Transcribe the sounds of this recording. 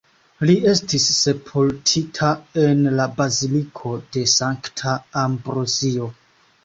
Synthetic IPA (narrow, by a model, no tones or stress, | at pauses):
liʔe̞stisːe̞pʰultʰitʰae̞nlabazilikʰo̞de̞saŋktʰaːmbɾozio̞